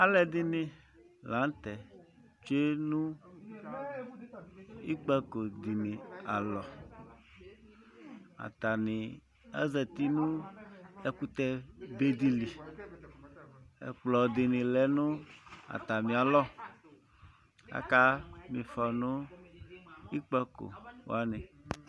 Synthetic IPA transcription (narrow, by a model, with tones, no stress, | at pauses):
a˦lɛ˨d̪i˦nɪ̃˨ | lã˨˦n˦t̪ɛ˨ | t͡ʃe˦nũ˦ | i˦k͡pɛ˦ko˨d̪i˨nĩ˨a˨lɔ˨ | a̰˨t̪a˨nɪ̃˨ | ɛ̰˦zɛ˨t̪i˦nũ˦ | e˦ku˦t̪ɛ˦be˦d̪i˦li˨ | ḛ˨k͡plɔ˨d̪e˨nẽ˨lɛ˨nũ˦a̰˨t̪a˨mĩ˨a˨lɔ˦ | a̰˦ka˦mĩ˨fɔ˨nũ˦ | i˦k͡pɛ˦ko̰˨w̰a˦nẽ˨